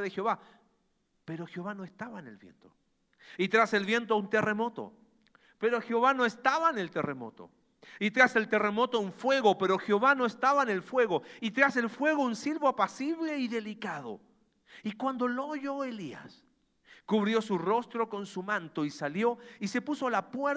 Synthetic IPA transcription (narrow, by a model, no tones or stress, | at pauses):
ðexoβa | peɾo̞xeoβano̞est̪aβaenḛlβjḛnt̪o̞ | it̪ɾase̞lβje̞nt̪̬ount̪ere̞mo̞t̪o̰ | pe̞ɾo̞xeoβano̞est̪aβaenelt̪e̞remo̞̰t̪o̞̰ | it̪ɾase̞lt̪ere̞mo̞t̪ouɱfwe̞ɣo̞pe̞ɾo̞xjoβano̞est̪aβaene̞lfwe̞ɣo̞it̪ɾase̞lfwe̞ɣo̞unsilβoapasiβle̞iðe̞likaðo̰ | ikwand̪o̞loʝo̞elia̰s | kuβɾjo̞suro̞st̪ɾo̞ko̞nsumãnt̪o̞isaljo̞ise̞puso̞lapweɾ